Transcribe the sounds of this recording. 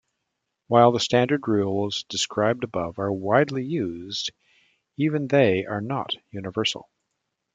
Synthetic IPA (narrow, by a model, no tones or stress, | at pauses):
waɪlˠðəstæ̃ndə˞d̚ɹulˠz̥dɨskʰɹaɪb̚dɨbʌvə˞waɪdˡlijʉzd | ivɨ̃nðeɪʔə˞nə̰tjʉnɨvɜ˞sl̩ˠ